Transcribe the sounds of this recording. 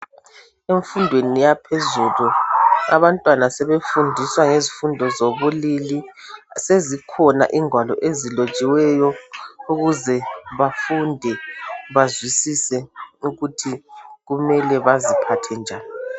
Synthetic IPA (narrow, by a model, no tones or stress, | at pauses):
eɱfundʱwenijapʰezulua̰βantʼwanasɛβefundʱiswaŋezifundʱɔzoβulilisezikʰɔna̰ʔiŋʱwalɔ̰ʔezilot͡ʃʼiwɛjɔuɣuzɛβafundʱɛβazwisisɛuɣutʰiɣumɛlɛβazipʰatʰɛnd͡ʒʱaːni